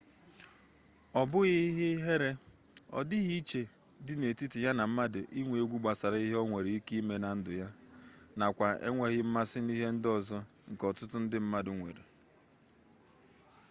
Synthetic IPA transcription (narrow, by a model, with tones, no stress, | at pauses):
ɔ˨bʊ˦ɣi˦ɦɪ˦ɦe˦ɾe˦ɔ̰˨dɪ˦ɣi˦i˦t͡ʃe˨ | dɪ˦ne˨ti˦ti˨ja˦na˨m̩˦ma˦dɪ˨ʔi˦ŋʷe˨e˨˦ɡʷu˦ɡ͡ba˨sa˨ɾa˨˦i˦ɦe˦ɔ˦ŋʷe˨ɾi˦ki˦i˦me˦na˨n̩˦dʊ˨ja˦na˨kʷa˨ʔḛ˦ŋʷe˨ɣɪ˦m̩˦ma˦sɪ˦ni˦ɦe˦n̩˦dɔ˦˨zɔ˦ | ŋ̩˨kɔ˨tʊ˦tʊ˦n̩˦dɪ˦m̩˦ma˦dʊ˨ŋʷḛ˨ɾe˨